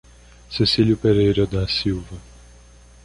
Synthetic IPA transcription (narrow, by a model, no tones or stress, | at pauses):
sesiljʊpeɾejɾɐd̪ɐsiwvɐ